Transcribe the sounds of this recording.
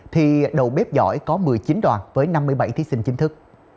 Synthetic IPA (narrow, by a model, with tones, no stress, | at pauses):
t̪ʰi˨˩ɗə̰˨˩wɓɛ˦˥p̚zɔ̰˧˩˨jkɔ˨˦mɨ˨˩əjt͡ɕi˨˦nɗwa̰ː˨˩nvəː˨˦jna˧mːɨ˧əjɓa̰˧˩jt̪ʰi˨˦sï˧ŋ̟t͡ɕï˨˦ŋʰɨ˦˥k̚